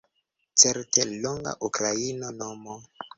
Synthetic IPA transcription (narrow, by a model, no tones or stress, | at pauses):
t͡seɾteloŋɡa̰ʔukɾainonomo